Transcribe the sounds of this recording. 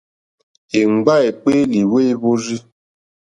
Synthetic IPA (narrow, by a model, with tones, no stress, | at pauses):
e˨ŋ͡m̩˨ɡ͡ba˦e˨k͡pe˦li˨we˦bo˦zi˦